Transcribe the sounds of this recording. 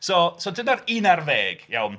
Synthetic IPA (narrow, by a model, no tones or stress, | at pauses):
soːsoːdənaɾinarveːɡ̥ja̰wn